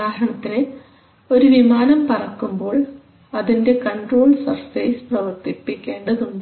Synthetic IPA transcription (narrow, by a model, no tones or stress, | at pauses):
aːɦɐɳɐt̪ːine | o̞ɾuʋimaːnɐmpɐrɐkːumbo̞ːɭ | ɐðinde̞kɐɳɖroːɭsɐrsɐjsprɐʋɐrt̪ipːikʲːe̞ːɳɖɐðuɳɖ